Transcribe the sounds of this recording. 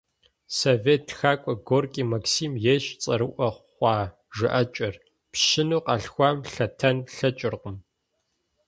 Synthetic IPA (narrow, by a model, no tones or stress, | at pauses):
soveːtʰxaːkʷʼɔɡorkʲʼiːmɐksiːmjeɕt͡sʼɐɾɨʔʷɔ | ɑː | ʒɨʔɐt͡ʃʼɐr | pʃɪnuːqɐɬxʷɑːmɬɐtʰɐnɬɐt͡ʃʼɪrqəm